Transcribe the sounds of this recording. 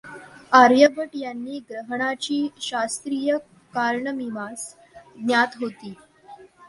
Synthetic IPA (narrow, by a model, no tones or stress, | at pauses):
aɾjəbəʈjanːiːɡɾəɦəɳat͡ɕiːɕast̪ɾiːjə | kaɾɳəmimas | ɡnjat̪ɦot̪iː